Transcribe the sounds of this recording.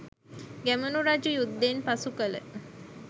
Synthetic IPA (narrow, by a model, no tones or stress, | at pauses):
ɡæmunuɾad͡ʒujud̪ːeːnpasukələ̰